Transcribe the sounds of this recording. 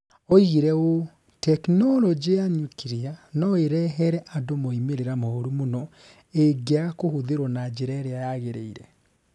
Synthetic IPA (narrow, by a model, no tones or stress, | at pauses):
ɔiɣeɾɛo | tɛknɔlɔd͡ʒeaɲukiɾianɔeɾɛɦɛɾɛʔadomoimeɾeɾamɔoɾumonɔ | eɡeakohoðeɾwɔnad͡ʒeɾɛɾeajaɣeɾḛiɾɛ